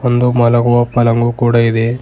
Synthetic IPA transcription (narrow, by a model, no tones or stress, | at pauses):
ond̪umɐlɐɡuʋɐpɐlɐŋɡukuːɽɐid̪e